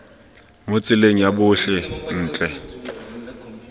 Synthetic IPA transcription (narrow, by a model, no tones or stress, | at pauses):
mot͡sʼɪleŋ̩jabʊɬɛn̩ːt͡ɬʼɛ